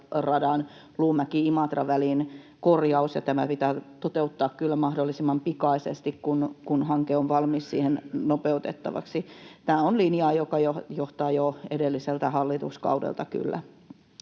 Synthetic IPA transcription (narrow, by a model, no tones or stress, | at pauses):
rɑdɑn | luːmækiimɑt̪rɑʋælin | korjɑusjɑ̰t̪æmæpit̪æːt̪ot̪eut̪ːɑːkkylːæmɑhdolːisimːɑmpikɑisḛst̪ikkunkunhɑŋkeoʋʋɑlmissḭːhennopeut̪et̪ːɑ̰ʋɑ̰ksit̪æːonlinjɑːjokɑjojoht̪ɑːjoedelːiselt̪æhɑlːit̪ṵskɑ̰udḛlt̪ɑky̰lːæ̰